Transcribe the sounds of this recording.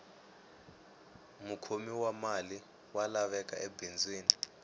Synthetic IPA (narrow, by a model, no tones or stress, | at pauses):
mukʰomiwamali | walaɓɛk̬ʼaʔebʱind͡zʱwiːni